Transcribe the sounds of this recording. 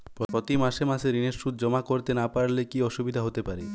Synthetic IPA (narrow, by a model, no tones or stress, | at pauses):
pɾopɾot̪imaʃemaʃeɾineɾʃud̪̚ʱd͡ʑɔmakoɾt̪enapaɽlekiɔʃubid̪ʱaɦot̪epaɾe